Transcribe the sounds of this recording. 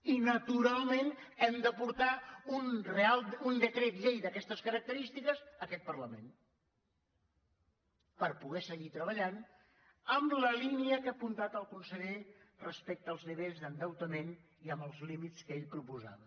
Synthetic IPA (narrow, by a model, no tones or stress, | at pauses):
inət̪uɾalˠmenɛmd̪əpuɾt̪aunrealˠund̪əkɾet̪ʎejd̪əkɛst̪əskəɾək̚t̪əɾist̪ikəzəkɛt̪̚pərləmḛn | pəɾpuɣɛsəɣit̪ɾəβəʎan | əmləliniəkəpunt̪at̪əlˠkunsəʎerəspɛk̚t̪əːlˠzðəβezðənd̪əwt̪əmen | iəmbəlˠzlimit̪t͡skeʎpɾupuza̰βə